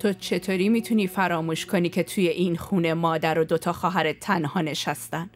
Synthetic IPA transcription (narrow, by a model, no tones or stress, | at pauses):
t̪ʰot͡ʃʰe̞t̪ʰoːɾiːmiːt̪ʰuniːfæɾɒːmuːʃkʰo̞niːcʰet̪ʰuːje̞ʔinxuːne̞mɒːd̪æɾod̪o̞t̪ʰɒːxɒːɦæɾet̪ʰænhɒːne̞ʃæst̪æn